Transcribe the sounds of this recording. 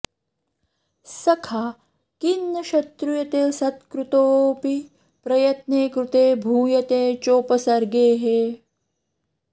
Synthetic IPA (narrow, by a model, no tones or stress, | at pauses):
sɐkʰaː | kinːɐʃɐt̪ɾujɐt̪eːsɐt̪kɾut̪oːpi | pɾɐjɐt̪neːkɾut̪eːbʱuːjɐt̪eːt͡ʃoːpɐsɐɾɡeːɦeː